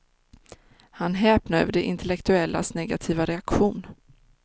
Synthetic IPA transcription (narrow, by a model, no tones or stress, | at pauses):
hanɦɛːpnaœ̰ːvəɖɛʔɪ̰nt̪ɛlɛkt̪ɵɛlːa̰snɛɡat̪ʰiːvaɾɛakɧuːn